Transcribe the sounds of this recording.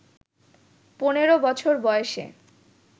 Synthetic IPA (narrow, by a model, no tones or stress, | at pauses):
poneɾobɔt͡ɕʰoɾbɔeʃḛ